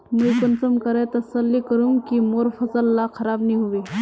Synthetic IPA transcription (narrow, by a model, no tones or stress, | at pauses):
mujkʊnsəmkəɾet̪ɐsəlːikəɾũŋkimoɾfɐsəlːakʰɐɾaːbniɦoʋe